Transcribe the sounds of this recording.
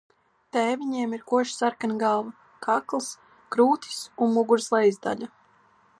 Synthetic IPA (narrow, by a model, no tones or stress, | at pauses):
t̪ɛːviɲiɛmiɾkuɔʃsaɾkanɡaːva | kʰaklˠs | kɾuːt̪ʰi̥sunmuɡuɾslˠɛjzd̪a̰ʎʲa